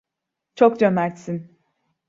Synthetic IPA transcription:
t͡ʃʰo̞kd͡ʒønæɾt̪sin

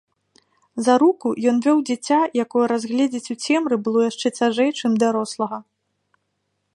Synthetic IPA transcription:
zɐɾukujɔnvʲɔwd͡zʲit͡sʲajakɔjɐɾazɣlʲɛd͡zʲit͡sʲut͡sʲɛmɾɨbɨlˠɔjaʂt͡ʂɛt͡sʲaʐɛjt͡ʂɨmd̪aɾɔslˠɐɣɐ

